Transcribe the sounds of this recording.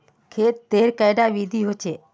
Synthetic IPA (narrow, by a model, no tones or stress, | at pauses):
kʰeːt̪ːeːɾkəɪɖaʋiːd̪ʱiːɦoːt͡ʃʰeː